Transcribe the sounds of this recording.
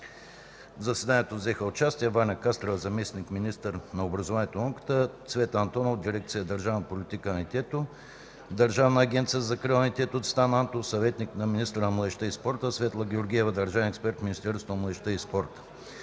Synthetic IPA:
zɐsɛd̪aniɛt̪ovzɛxəot͡ʃast̪iɛvanʲɐkast̪ɾovəzɐmɛsnikminʲist̪əɾnɐobɾɐzovaniɛt̪onɔkə̥t̪ət̪svɛt̪ɐnt̪ɔnovd̪iɾɛk̚t̪sijəd̪ɐɾʒavnəpolɪt̪ikənʲit̪ʲɛt̪o | d̪ɐɾʒavnɐːɡʲɛnt̪sijəzɐkɾəɐnʲit̪ʲɛt̪oːt̪st̪anant̪ofsɐvɛt̪niknɐminist̪ɾənɐmlˠɐd̪ɛʃt̪əispɔɾt̪əsvɛt̪lˠəɡʲɛoɾɡʲiɛvəd̪ɐɾʒavɛnɛkspɛɾt̪mʲinist̪ɛɾst̪vonɐmlˠɐd̪ɛʃt̪əispɔɾt̪ə̥

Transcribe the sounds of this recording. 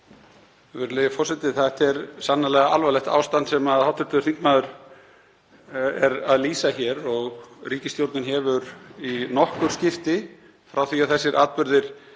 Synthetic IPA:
vɛɾleːjɣɪfɔr̥sɛt̪ɪθat̪ɛɾsanːalɛɣaalvalɛht̪a̰ːwst̪ant̪sɛmaðhawt̪ʏɾ̥t̪ʏɾθiŋkmaːðʏɾ̥ | ɛɾaðliːsaçɛɾɔɣriːcɪst̪jowɾt̪nɪnɦɛvʏɾinɔhkʏɾ̥scɪft̪ɪ | fɾʔawθviaðθɛsːɪɾʔa̰ːt̪̚pʏɾðɪɾ̥

